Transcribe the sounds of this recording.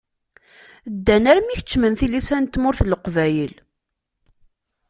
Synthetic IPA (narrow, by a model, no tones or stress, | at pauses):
d̪ːænæɾmiçə̥t͡ʃːmənθilisænt̪ːmʊɾθləqvæjəl